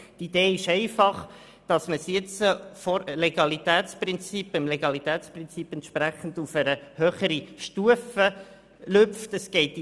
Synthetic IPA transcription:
tid̥eːɪʃɛɪfɑχ | d̥ɑsməsjɛt͡səfɔɾleɡ̥ɑlitæːtt͡sprɪnt͡sipɪmleɡ̥ɑlitæːt͡sprɪnt͡sipɛntʃpɾæχən̩d̥ufəɾəhøːχəɾiʃtuəfə | lʏpftəsɡ̥ɛɪt

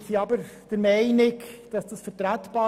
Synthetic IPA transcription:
siɑbəɾd̥əɾmɛɪnɪkd̥ɑsd̥ɑsfəɾtɾætb̥ɑː

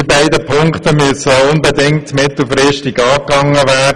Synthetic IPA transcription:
ɪbaɪdəpʰʊŋktəmyəsəʊnbɛdɪŋtmɪt̪l̩fɾɪʃtiɡɑːkɑŋəʋæː

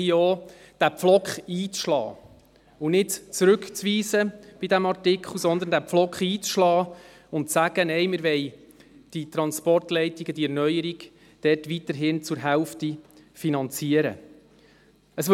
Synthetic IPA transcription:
iɔː | d̥æpflɔkχiːt͡sʃlɑ̰ː | ʊnɪtt͡sɾɵkt͡sʋiːzəb̥idæmɑrtɪkʰχl̩ˠsɔnd̪əndæpflɔkχiːt͡sʃlɑː | ʊntsæɡ̥ənɛjmɪɾʋɛɪ | d̥it̪ɾɑnspɔrtlɛɪtiɡəd̥iɛɾnœjəɾiɡ | d̥ɛrtʋit̪əɾɦɪnt͡sʊɾɦɛlftifinɑnt͡siəɾə̰ | əsʋ

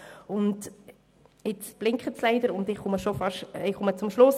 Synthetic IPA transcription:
ʊnd | ɪt͡sb̥lɪŋkχət͡slɛɪdəɾʊndɪχχʊməʃofɑʃɪχχʊmət͡sʊmʃlʊs

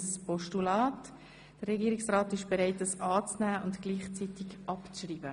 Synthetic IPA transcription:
səspɔʃtulɑːt | d̥ərːɛɡiːɾɪksraːtɪʃb̥eɾɛɪtəsɑːt͡snæːʊntɡ̥liːχt͡sitɪkʔɑpt͡sʃriːbə

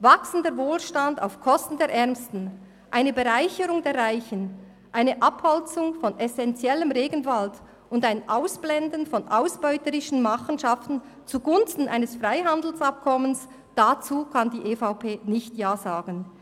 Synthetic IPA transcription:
vaksn̩dəvoːlʃtanda̰ʊfkʰɔstn̩deːɐɾʔɛʁmstn̩ | ʔaɪnəbeʁaɪçəɾʊŋdeːʁaɪçən̩ | ʔaɪnəʔaphɔlt͡sʊŋfɔnɛsɛnt͡sjɛləmʁeːɡənvalt | ʊndaɪnʔaʊsb̥lɛndn̩fɔnʔaʊsb̥ɔʏtəɾɪʃn̩maχn̩ʃaftn̩ | t͡suɡʊnstn̩ʔa̰ɪnəsfʁaɪɦandl̩sap̚kʰɔməns | d̥at͡suːkʰandiːʔeːfaʊpʰeːnɪçtjaːzaːɡ̥ən̩

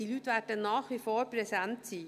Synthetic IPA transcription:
iːlyːtvɛːdənnːaːχvifoːɾpɾɛsɛntt͡siː

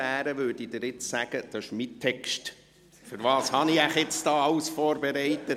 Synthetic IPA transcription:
æːɾəʋøːd̥id̥ɪɾɪt͡ssæɡ̥əd̥ɑɪʃmitʰːɛkʃt | fʏɾvɑːshɑniæχɪt͡sd̥ɑːɑwsfɔːɾbeɾɛɪtə

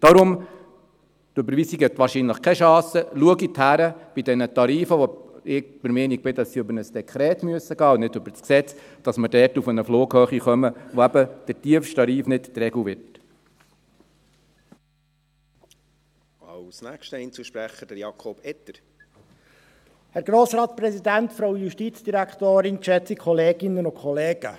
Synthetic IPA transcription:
d̥ɑɾʊm | d̥øbəɾvisikɛt̪ʋɑːɾʃinləχkʰɛʃɑ̃ːsəluəɡithæɾəb̥idɛnətɑɾiːfəʋoɪb̥əɾmɪːnik̚b̥ɪdɑsːiøbəɾnəsd̥ɛkʰɾɛːtmyəsəɡɑːʊnɪdɵbəɾsksɛt͡s | d̥ɑsməɾdɛːɾtufənəfloːɡhœːχiχœməʋoæbəd̥əɾtiəfʃtɑɾiːfnɪttɾɛɡuʋɪrt | ɑlsnæːkʃtəɛnt͡suʃpɾæχəd̥əɾjɑkʰɔb̥ɛt̪əɾ | hɛɾɡɾoːsɾɑːtpɾɛsid̪æntfɾowjuʃtit͡sd̥iɾækʰt̪oːɾɪnkʃɛt͡sikʰχɔleːɡ̥ɪnːənʊkʰχɔleːɡ̥ə̰

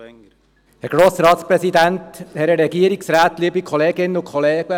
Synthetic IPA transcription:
hɛɾɡ̥ɾoːsɾɑːt̪spɾɛsid̪ænthɛɾəɾɛɡiəɾiksɾaːt̪liːbikʰɔleːɡɪnːənʊkʰχɔleːɡ̥ə

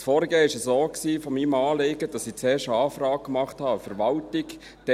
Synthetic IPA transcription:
sfɔːɾiɡeːɪʃəsoːksiːfɔmimɑːleɡəd̥ɑsit͡seːʃɑːfrɑːkkmɑχthɑfəɾʋɑltɪk | d̥ɛ

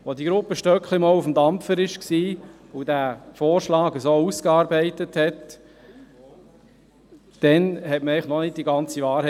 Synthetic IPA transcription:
ʋodiɡɾʊpːəʃtœkχlimɔlufm̩dɑmfəɾɪʃksiː | udæfoːɾʃlɑːɡəsoːuskɑːɾbɛɪtəthɛt | d̥ɛnhɛtməɛɪχnɔnɪt̚d̥iɡɑnt͡siʋɑːɾhɛ

